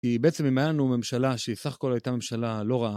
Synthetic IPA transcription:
kibeet͡se̞mimajanume̞mʃalaʃeisaχḁko̞lajt̪ame̞mʃalalo̞ʁaa

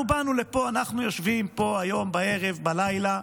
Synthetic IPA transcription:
ubanulepoanaχnujo̞ʃvimpo̞ajo̞mbae̞ʁevbalajla

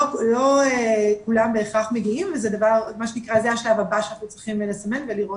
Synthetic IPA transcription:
loekulambeːχaχmeɡiimvezɛd̪avaʁmaʃenikʁazeaʃlavabaʃeanaχnut͡sʁiχimelesame̞nveliʁo

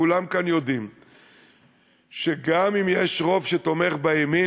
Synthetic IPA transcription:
ulamkanjo̞d̪im | ʃeɡamimjeʃʁo̞vʃet̪o̞meχbajemi

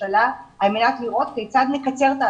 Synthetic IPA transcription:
alaalmenat̪liʁo̞t̪kejt͡sad̪nekat͡se̞ʁt̪a

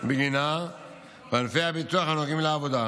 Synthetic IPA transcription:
beɡina | vanfeabit̪uaxanoɡimleavod̪a

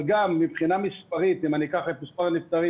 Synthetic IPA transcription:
ɡamːipχinamispaʁit̪imanikaχet̪mispaʁnift̪aʁi

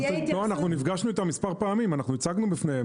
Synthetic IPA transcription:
loanaχnunifɡaʃnuit̪amispaʁpaamimanaχnuit͡saɡnubifneje

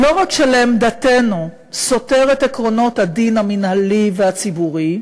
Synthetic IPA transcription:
lo̞ʁakʃeleemd̪at̪e̞nu | so̞teʁet̪ekʁo̞no̞t̪had̪inhaminhaliveat͡sibuʁi

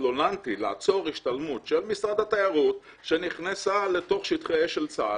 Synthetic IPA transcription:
onant̪ilaa̰t͡so̞ʁiʃtalmutʃelmisʁad̪hat̪ajaʁut | ʃeniχnesale̞to̞χʃit̪χeeʃelt͡sa̰

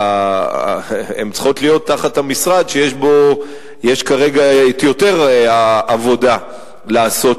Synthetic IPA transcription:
emt͡sχo̞t̪lijo̞t̪ːaχathamisʁad̪ʃejeʃbo̞ | jeʃkaʁeɡat̪jo̞teʁaʔavo̞da | laːso̞t

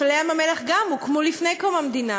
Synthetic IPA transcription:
leamamelaχɡamukmolifnejkomamd̪ina

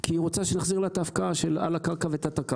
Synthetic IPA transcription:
kʰiːʁot͡saʃenaχziʁlat̪afkaʃela̰lakaʁkavet̪at̪aka

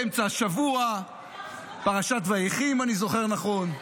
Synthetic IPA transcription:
emt͡saʃavua | paʁaʃat̪vaiχimanizo̞χeʁnaχo̞n

